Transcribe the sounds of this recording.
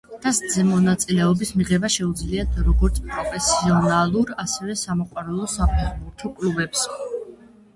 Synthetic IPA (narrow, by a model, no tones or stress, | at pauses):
t̪ʰasd̪zɛmɔnat̪sʼilɛɔbismiʁɛbaʃɛud̪zliat̪ʰɾɔɡɔɾt̪sʰpʼɾɔpʰɛsiɔnalˠuɾasɛvɛsamɔqʼwaɾalˠɔsapʰɛχbuɾtt̪ʰɔkʼluvɛps